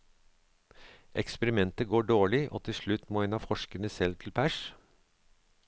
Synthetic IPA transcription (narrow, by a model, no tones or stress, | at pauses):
ʔɛkspəɾɪmɛnt̪əɡoːɖoːɭɪʔo̰ːt̪ʰɪʂɭʉt̪moːɪnɑːfɔʂkəɳəsɛlt̪ʰɪlpʰæʃ